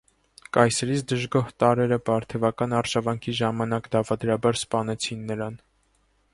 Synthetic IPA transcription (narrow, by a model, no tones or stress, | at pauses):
kɑjsɛɾit͡sʰd̪əʒɡɔht̪ɑɾɛɾəbɑɾt̪ʰɛvɑkɑnɑɾʒɑvɑŋkʰiʒɑmɑnɑkd̪ɑvɑd̪ɾɑbɑɾspɑnɛt͡sʰinːəɾɑn